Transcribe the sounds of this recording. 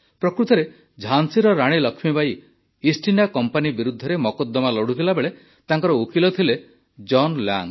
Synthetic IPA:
pɾɔkɾut̪ɔɾe | d͡ʒʱansiɾɔɾaɽ̃ilɔkʰmibaj | isʈinakɔmpanibiɾud̪ʱːɔɾemɔkɔd̪ːɔmalɔɽ̤ut̪ʰilabeɭe | t̪aŋkɔɾɔukilɔt̪ʰile | d͡ʒɔnla̰ŋ

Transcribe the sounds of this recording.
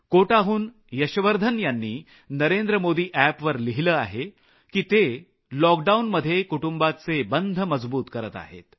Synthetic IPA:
koʈaɦuːn | jəɕəʋəɾd̪ʱənjanːiː | nəɾend̪ɾəmod̪iːʔæpʋəɾliɦiləːaɦe | kiːt̪e | lɔk̚ɖaunməd̪ʱːjekuʈumbat͡sebənd̪ʱəməd͡zbuːt̪kəɾət̪a̰ɦḛt̪

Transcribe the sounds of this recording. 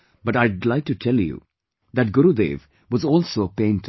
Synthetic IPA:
b̥ʌʈaɪdlaɪk̚ʈutʰɛljṵ | ðæʈ̚ɡʊɾud̪ḛv | wʌzɔːlˠsoəpẽɪ̃nt

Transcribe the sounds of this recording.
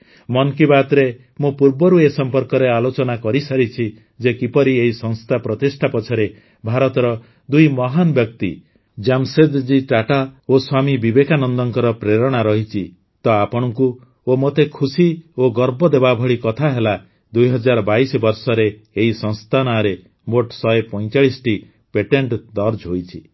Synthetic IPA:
mɔnkibat̪ɾe | mũpuɾbɔɾuesɔmpɔɾkɔɾealot͡ʃɔnakɔɾisaɾit͡ʃʰi | d͡ʒekipɔɾieɦisɔŋst̪ʰapɾɔt̪isʈʰapɔt͡ʃʰɔɾe | bʱaɾɔt̪ɔɾɔ | d̪ujmɔɦanbjɔk̚t̪ḭ | d͡ʒamsed̪d͡ʒiʈaʈaoswamibibekʰanɔnd̪ɔŋkɔɾɔpɾeɾɔɽ̃aɾɔɦit͡ʃʰi | t̪ɔapɔɽ̃ɔŋku | omot̪ekʰusioɡɔɾbɔd̪ebabʱɔɭikɔt̪ʰaɦela | d̪ujɦɔd͡ʒaɾɔbajsɔbɔɾsɔɾeː | ɦisɔ̃ŋst̪ʰanaɾe | moʈsɔjepɔj̃t͡ʃaɭisʈi | peʈeɳʈd̪ɔɾd͡ʒɦojt͡ʃʰi

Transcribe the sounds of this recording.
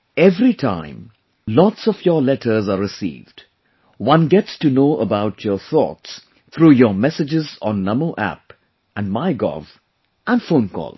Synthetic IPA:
ɛvɾiʈʰã̰ɪ̃m | lɔtsɔfjɔlɛʈʰəɾzaɾɪsḭːvɖ | wʌ̃nɡɛʈstunoːʔəbaʊʈʰjɔɾθɔ̰ːts | t̪ʰɾuːjɔmɛsɪd͡ʒɪzɔ̃nːʌmoʔæ̰p | ʔæ̃nɖmaɪɡɔ̰v | ʔæ̃nfõːnkɔ̰ːl

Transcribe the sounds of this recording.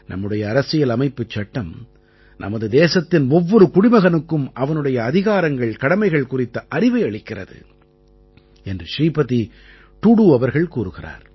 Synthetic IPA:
nɐ̰mːɯɽɐjɐːɾɐsɪjɐlɐmɐɪpːɯt͡ʃːɐʈːɐm | nʔɐ̰mɐðɯd̪eːsɐt̪ːɪnɔʋːɔɾɯkʊɽɪmɐɣɐnɯkːɯmɐʋɐnɯɽɐjɐːðɪɣaːɾɐŋɡɐɭkɐɽɐmɐɪɣɐɭkʊrɪt̪ːɐʔɐrɪʋɐɪɐɭɪkːɪrɐ̰ðɯ̰ | ɛndrɯʂɾiːpɐði | ʈuɽuɐʋɐɾɣɐɭkuːɾɯɣɪra̰ːɾ

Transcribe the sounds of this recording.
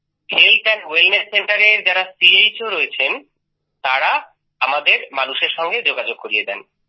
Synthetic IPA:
kʰelʈanwelnesːeɳʈaɾeɾd͡ʑaɾasiejt͡ɕoɾɔet͡ɕʰen | t̪aɾa | amad̪eɾmanuʃeɾʃɔŋɡed͡ʑoɡad͡ʑoɡ̚koɾijed̪ɛn

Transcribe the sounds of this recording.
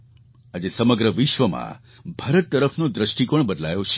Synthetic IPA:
ad͡ʒesəməɡɾəʋɪʃʋəmã̰ | bʱaɾət̪ːəɾəfʰnod̪ɾəʃʈikəɳbəd̪lajot͡ʃʰe̥

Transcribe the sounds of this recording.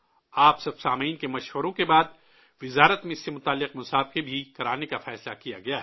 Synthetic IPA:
aːpsɐbsaːmiːnkemɐʃʋəɾõkebaːd̪̚ | ʋɪzaːɾət̪mẽɪsːemʊt̪aːlːɪqmʊsaːbkebʱikɐɾaːnekafɛːslakija̰ɡɐjaːɦɛː

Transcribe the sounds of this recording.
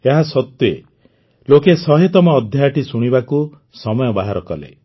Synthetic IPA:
eɦasɔt̪je | lokesɔɦet̪ɔmɔːd̪ʱjaaʈisuɽ̃ibaku | sɔmɔjɔbaɦaɾɔkɔlḛ

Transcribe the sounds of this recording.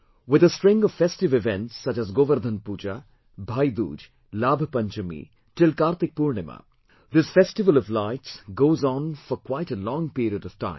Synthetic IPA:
wɪd̪əsʈɾɪ̃ŋɡɔʋfesʈɪʋɪvɛ̃nʈsːɐt͡ʃæzɡoʋəɾd̪ʱənpuːd͡ʒa | bʱaːjd̪ṵːd͡ʒ | laːbʱəpɐ̃nt͡ʃəmḭ | ʈɪlkaːɾt̪ɪk̚puːɾɳɪma̰ | d̪ɪsfɛsʈɪʋəlɔʋlaɪʈsɡoːzɔ̃nfɔɾkwaɪʈəlɔ̃ːŋpiːɾiədɔʋ̥ʈã̰ɪ̃m

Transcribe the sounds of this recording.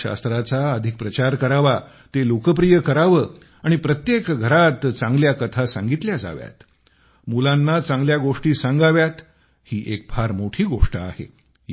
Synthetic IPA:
a̰st̪ɾat͡saəd̪ʱik̚pɾət͡ɕaɾkəɾaʋa | t̪elokəp̬ɾijəkəɾaʋəː | aɽ̃ipɾət̪jekɡʱəɾat̪t͡sãŋɡljakət̪ʰasãŋɡit̪ljad͡za̰ʋja̰t̪ | mulãnːat͡sãŋɡljaɡoʂʈiːsãŋɡaʋjat̪ | hiːʔek̚bʰʱaɾmoʈʰiːɡoʂʈəa̰hḛ

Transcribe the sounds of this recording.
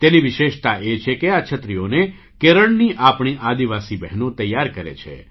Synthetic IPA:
t̪eniʋɪʃeʃt̪aʔet͡ʃʰekeat͡ʃʰət̪ɾijone | keɾəɳniʔapɳ̃iʔad̪iʋasibɛɦnõt̪əjːaɾkəɾḛt͡ʃʰḛ

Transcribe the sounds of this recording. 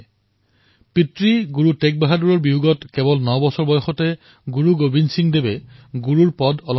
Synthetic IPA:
pitɹiɡuɹutɛk̚baɦaduɹɔɹbiuɡɔtkɛbɔlnɔbɔsɔɹbɔjɔxɔtɛ | ɡuɹuɡobinsiŋdebɛɡuɹuɹpɔdɔlɔ

